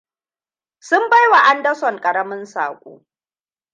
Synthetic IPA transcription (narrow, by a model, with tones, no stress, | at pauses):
sʊ˦mba˦jwa˨ʔa˦ndɐ˦sɔ˨ŋkʼɐ˨ɾɐ˦mɪ˦nsa̰ː˨kʷʼo̰ː˦